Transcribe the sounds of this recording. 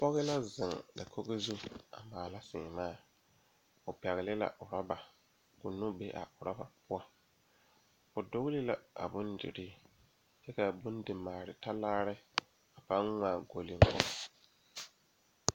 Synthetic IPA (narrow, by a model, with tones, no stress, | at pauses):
pɔ˦ɣɪ˦la˦zɪ˨ŋda̰˨kʰo˦ɣe˦zu˦a̰˨maː˨la˦sɪː˨maː˦˨ | ʊ˨pɛ˨ɣɪ˨lɪ˦la̰˨ʔʊ˨ɾa˦ba˨ | kʊ˨nʊ˦be˦ʔa̰˨ʔʊ˨ɾa˦ba˨pʊ˦ɔ˦ | ʊ˨do˦ɣlɪ˦la̰˦a̰˨bʊ˦ndɪ̰˨ɾi˦ | t͡ʃɛ˦ka˨bʊ˦n˦dɪ˨maː˨ɾɪ˨ta˦laː˦ɾɪ˦ | a˨pa˦nŋa˦˨ɡo˨lɪ˦ŋ̩˦kɔ̰˦˨